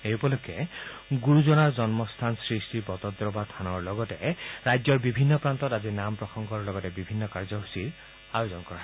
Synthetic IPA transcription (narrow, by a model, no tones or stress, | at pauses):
eupɔlokʰːeɡuɹuzɔnaɹd͡ʒɔnmɔst̪ʰansɹistipɔt̪ɔd̪ɾɔbatʰanɔɹlɔɡɔteɾajd͡ʒɔɹbibʱinːɔpɾant̪ɔtazinampɹɔxɔŋɡɔɹlɔɡɔtebibʱinːɔkaɹd͡ʒɔɦusiɾ | ajozɔnkɔɾa